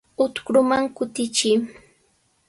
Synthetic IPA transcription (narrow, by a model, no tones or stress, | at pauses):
ʊt̪kɾʊmaŋkʊt̪ɪt͡ʃɪ